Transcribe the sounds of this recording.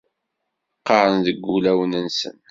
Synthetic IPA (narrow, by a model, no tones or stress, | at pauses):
qːɑɾˤənðəɡːulæwnənsə̰n